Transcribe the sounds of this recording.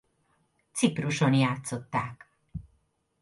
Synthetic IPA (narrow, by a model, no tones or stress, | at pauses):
t̪sipruʃo̞njaːt̪so̞t̪ːaːk